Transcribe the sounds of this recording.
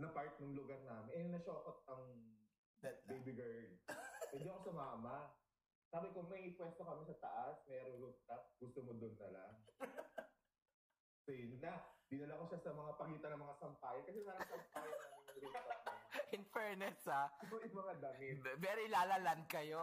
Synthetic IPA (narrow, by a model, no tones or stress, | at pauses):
nɐpaɹt̪̚nʊŋlʊɡaɾnaːmɪnʔɛnɐʃoːkot̪̚ɐŋ | bejbɪɡɛɹd̪̚ɛnd̪iɐkosʊmaːmɐ | saːbɪkʊŋmɐjɪpwɛst̪okɐmɪsɐt̪ɐʔasmɛːɾoŋɾʊɡ̪̚t̪ɐp̚ɡ̥ʊst̪omod̪ʊnt̪ɐla̰ | sɐjʊnːɐd̪ɪnɐlakoʃasɐmɐŋapɐɡiːt̪ɐnɐŋmɐŋasɐmpaːjɐkɐs̬ɛmanɐsɐmpaːjɐɐɐnlʊɐaʔɪnfɛɹnɛsaɐojʊmɐŋad̪ɐmɪvɛɾilaːlɐland̪̚kɐjo̞